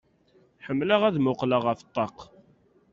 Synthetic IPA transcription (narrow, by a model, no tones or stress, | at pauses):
ħəmːləʁæðmʊqləʁəft̪ˤːɑq